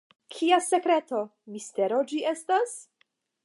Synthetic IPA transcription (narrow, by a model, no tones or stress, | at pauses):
kʰiase̞kɾe̞to̞miste̞ɾo̞d͡ʒie̞stas